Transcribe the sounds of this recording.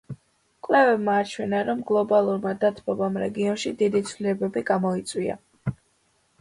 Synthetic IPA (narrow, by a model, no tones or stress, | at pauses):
kʼwlɛvɛbmaːt͡ʃʰwɛnaɾɔmɡlˠɔbalˠuɾmad̪at̪ʰbʰɔbamɾɛɡiɔnʃid̪id̪it̪sʰvlilɛbɛbiɡamɔit̪sʼwia̰